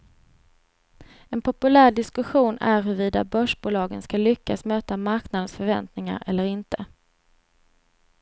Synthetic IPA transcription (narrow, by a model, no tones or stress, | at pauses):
ɛnpʰɔpɵlæːɾɖɪskɵɧuːnæɾɦɵɾviːd̪a̰bœʂbuːlɑːɡənskalʏkːasmøːt̪amaɾknad̪ənsfœɾvɛ̰nt̪nɪŋa̰ɾɛlːəɾɪnt̪ə